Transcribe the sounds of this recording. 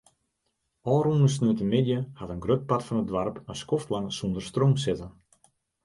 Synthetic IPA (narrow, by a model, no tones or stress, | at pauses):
ɔːɾunəs̬nyətəmɪdjəhatənɡrøt̚patfɔnədʋarpənskoftlaŋsondərstroːmsɪtən